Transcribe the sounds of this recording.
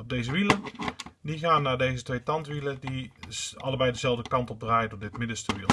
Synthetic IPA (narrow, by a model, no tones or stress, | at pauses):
ɔb̚dejzəʋilədiχaːnːaːɹdejzətʋejtɑntʋilədiɑ̰ləbɛjdəzɛlˠvdəkɑntɔb̚draːjdʊːɹdɪtmɪdəstəʋilˠ